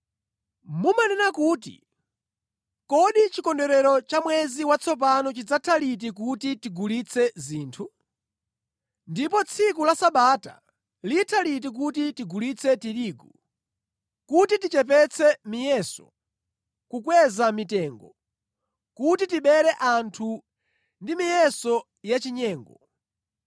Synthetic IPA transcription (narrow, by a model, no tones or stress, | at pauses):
mumanɛnakuːtḭ | kɔɗit͡ʃikɔndɛɾɛɾɔt͡ʃamwɛziwat͡sʰɔp̬anɔt͡ʃid͡zatʰalit̬ik̬utitiɡulit͡sʰɛziːntʰu | ndipɔt͡sʰikulasaɓata̰ | litʰalit̬ik̬utitiɡulit͡sʰɛtiɾiːɡu | kutitit͡ʃɛp̬ɛt͡sʰɛmijɛsɔ̰ | kukwɛzamitɛːŋɡɔ | kutitiɓɛɾɛʔantʰu | ndimijɛsɔ | jat͡ʃiɲɛːŋɡɔ